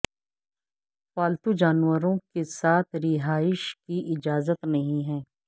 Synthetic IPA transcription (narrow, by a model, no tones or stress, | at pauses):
waːlt̪ud͡ʒaːnwəɾõkesaːt̪ʰɾɪɦaːɪʃkiʔɪd͡ʒaːzət̪nɐɦĩɦɛː